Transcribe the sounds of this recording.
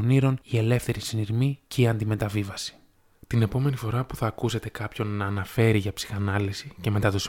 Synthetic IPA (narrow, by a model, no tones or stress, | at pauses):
niɾo̞nie̞le̞fθe̞ɾisiniɾmice̞iɐnd̪ime̞t̪ɐvivɐsi̥ | t̪ine̞po̞me̞nifo̞ɾɐpuθɐːkuse̞t̪e̞kɐpço̞nːɐːnɐfe̞ɾiʝɐpsi̥xɐnɐlisice̞me̞t̪ɐt̪os